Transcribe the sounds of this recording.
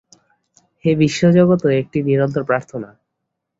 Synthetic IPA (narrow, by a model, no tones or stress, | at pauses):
ʃebiʃːod͡ʑoɡot̪oek̚ʈiniɾont̪̬oɾpɾaɾt̪ʰona